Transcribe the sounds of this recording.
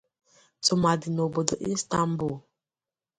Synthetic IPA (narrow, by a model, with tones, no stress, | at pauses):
t͡su˨ma˨di˨no˨bə˨də˨ʔi˦sta˦m˦bu˦˨